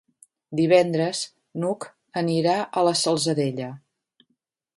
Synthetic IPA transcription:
d̪iβ̞ɛnd̪ɾəz | nuk | əniɾaʔələsəlˠzəðeʎə

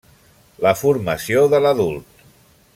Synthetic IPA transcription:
ləfuɾməsioðələðulˠt̪̚

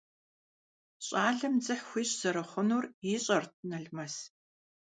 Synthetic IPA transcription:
ɕʼaːɮɨmd͡zɨħxʷiːɕz̥ɐɾɐχʷʊnuːriːɕʼɐrtʰɨnɐɮmɐs

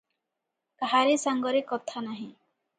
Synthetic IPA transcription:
kaɦaɾesaŋɡɔɾekɔt̪ʰanaɦĩ

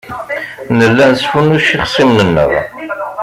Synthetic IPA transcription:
nəlːænsfunuʃiχsˤimnənːə̰ʁ

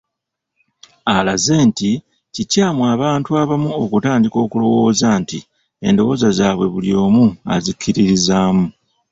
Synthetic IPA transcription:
alaze̞ːnti | cicaːmwaːβaːntuaβamuokutaːndiko̞ːkulo̞wo̞ːzaːntḭ | e̞̰ndo̞wo̞zazaːβwe̞̰βuljo̞ːmua̰zikʰːiɾiɾizaːmu

